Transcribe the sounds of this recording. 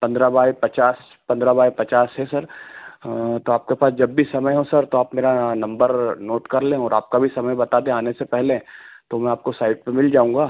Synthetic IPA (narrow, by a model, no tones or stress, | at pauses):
pɐ̃nd̪ɾabaːepɐt͡ʃaːs | pɐ̃nd̪ɾabaːipɐt͡ʃaːsɦɛsɐɾ | t̪oaːp̚kepaːsd͡ʒɐbːisɐməjɦõsɐɾt̪oaːpmeːɾanɐ̃mbəɾnoːʈkɐɾlẽːɔːɾaːp̚kabʱisɐməjbɐt̪aːd̪ẽaːnesepɛɦlet̪omɛ̃aːp̚kosaːɪʈ̚pemɪld͡ʒaːũːŋɡaː